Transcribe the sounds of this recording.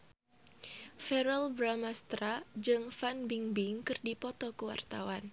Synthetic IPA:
fɛɾɛlbɾamast̪ɾad͡ʒɨŋfanbiŋbiŋkɨrdipɔt̪ɔkəwa̰rt̪awan

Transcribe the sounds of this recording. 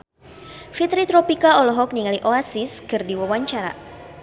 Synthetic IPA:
fit̪ɾit̪ɾɔpikaɔlɔɦɔk̚niŋaliʔoasiskɨrdiwawaɲt͡ʃaɾa̰

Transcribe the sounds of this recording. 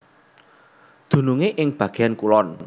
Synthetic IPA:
d̪̥ṳnuŋeʔɪŋb̥ä̤ɡ̥e̤ankulɔn

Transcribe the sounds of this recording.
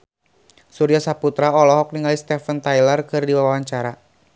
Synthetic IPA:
suɾiasaput̪ɾaɔlɔɦɔk̚niŋalist̪ɛfənt̪ajlərkɨrdiwawawaɲt͡ʃaɾa

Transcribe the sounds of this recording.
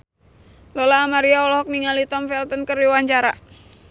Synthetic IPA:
lɔlaːmaɾiaɔlɔɦɔk̚niŋalit̪ɔmfɛlt̪ɔnkəriwaɲt͡ʃaɾa̰

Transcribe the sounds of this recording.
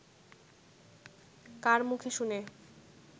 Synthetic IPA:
kaɾmukʰeʃune

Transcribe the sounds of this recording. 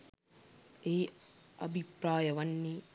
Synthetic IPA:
eiɐbʱipɾaːjɐʋɐnːi

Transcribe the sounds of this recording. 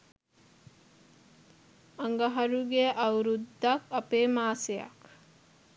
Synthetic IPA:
ɐŋɡɐɦɐɾuɡeʔawɾud̪ːakʌpemaːseja̰k

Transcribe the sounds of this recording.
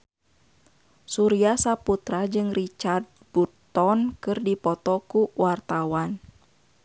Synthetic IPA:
suɾiasaput̪ɾad͡ʒɨŋrit͡ʃard̪̚but̪ːɔnkɨrdipɔt̪ɔkuwart̪awan

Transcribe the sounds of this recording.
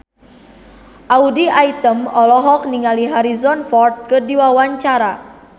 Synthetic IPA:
ʔaudiait̪əmɔlɔɦɔk̚niŋaliɦaɾizɔnfɔrt̪̚kɨrdiwawaɲt͡ʃaɾa

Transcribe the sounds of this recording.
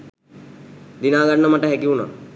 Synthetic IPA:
d̪inaːɡanːəmaʈəɦækiuna̰

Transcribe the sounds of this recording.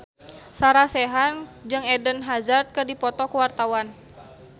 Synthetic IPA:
saɾasɛɦand͡ʒɨŋɛdənɦazart̪̚kədipɔt̪ɔkuwart̪awan

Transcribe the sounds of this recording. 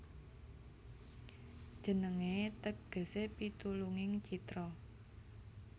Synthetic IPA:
d̥ʒ̥ə̤nəŋet̪əɡ̥ə̤sepit̪uluŋɪŋt͡ʃit̪ɾɔ

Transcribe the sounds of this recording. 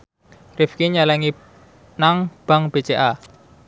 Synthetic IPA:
rɪfkiɲalɛŋi | naŋb̥a̤ŋb̥et͡ʃeʔa

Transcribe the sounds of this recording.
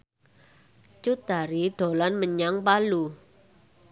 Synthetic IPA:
t͡ʃud̪̥a̤ɾiɖ̪̥o̤lanməɲaŋpalu

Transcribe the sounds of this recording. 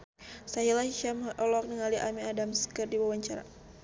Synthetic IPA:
saɦilaʃamɔlɔk̚nəŋaliʔamiadamskərdiwawaɲt͡ʃaɾa̰

